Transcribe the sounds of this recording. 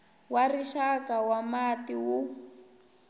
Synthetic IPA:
wariʃakawamatiwu

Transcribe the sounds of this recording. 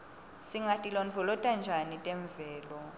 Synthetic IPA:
siŋatʼilɔnvʱɔlɔtʼand͡ʒʱanitʼɛɱvɛːlɔ

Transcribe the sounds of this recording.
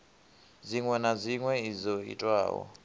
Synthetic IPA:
ziŋwɛnaziŋwɛizoḭtʼwa̰ːwɔ̰

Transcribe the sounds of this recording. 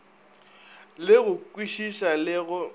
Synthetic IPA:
lɪɣʊkwiʃisalɪɣʊ

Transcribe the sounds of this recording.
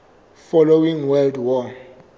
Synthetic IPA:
fɔlowĩŋwɛldwɔ

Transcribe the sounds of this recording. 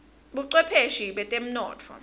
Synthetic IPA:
ɓuǀwɛpʰeʃiɓɛtʼem̩nɔːt͡fʰɔ̰

